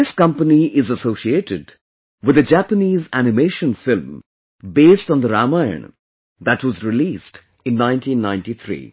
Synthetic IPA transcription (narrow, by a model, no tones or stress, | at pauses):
ɪskʌ̃mpəniɪzəsosieʈɨd | wɨd̪ɨd͡ʒæpəniːzænɨmeːʃə̃nfɪlm | beːstːn̩d̪əɾamaɪə̰̃n | d̪ætwʌzɾɪlist | ɨ̃nːãɪ̃ntĩnːãɪ̃nʈit̪ʰɾḭː